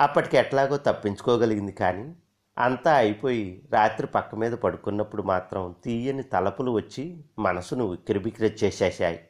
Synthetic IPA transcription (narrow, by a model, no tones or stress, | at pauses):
ɐpːɐʈi̥kɛʈlaːɡoːt̪ɐpːiɲt͡ʃu̥kɔːɡɐliɡind̪ikaːni | ɐ̰nt̪aːɐjipo̞ːjiɾaːt̪ɾipɐkːɐmiːd̪ɐpɐɽukunːɐpːuɽumaːt̪ɾɐmt̪iːjɐnit̪ɐlɐpuluʋɐt͡ʃːimɐnɐsunuːukiɾibikɾɐt̪̚t͡ʃɛːʃɛːʃaːji